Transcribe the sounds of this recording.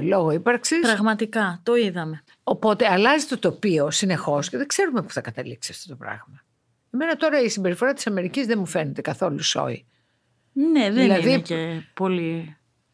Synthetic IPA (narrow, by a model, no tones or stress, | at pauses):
lo̞ɣo̞ipɐɾksispɾɐɣmɐt̪ikɐt̪oiðɐme | o̞po̞t̪e̞ɐlɐzit̪o̞t̪o̞pio̞sine̞xo̞sceðeɡze̞ɾumepu̥θɐkɐt̪ɐliksiɐft̪o̞t̪o̞pɾɐ̰ɣmɐ | eme̞nɐt̪o̞ɾɐisimbe̞ɾifo̞ɾɐt̪i̥sɐme̞ɾicizðemufe̞net̪e̞kɐθo̞luso̞̰ḭ | neðeilɐðicepo̞li